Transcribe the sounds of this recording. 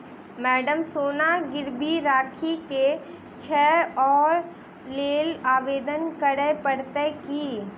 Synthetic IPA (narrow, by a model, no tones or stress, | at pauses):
mɛːɖəmsoːnaɡɪɾbiɾaːkʰike | t͡ʃʰɛːɔːɾ | leːlaːʋeːd̪ənkəɽepəɽt̪ekiː